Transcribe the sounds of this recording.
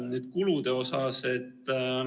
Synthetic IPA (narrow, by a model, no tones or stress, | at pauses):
neːd̪̥̚kulud̪̥e̞o̞sɑse̞t̪ː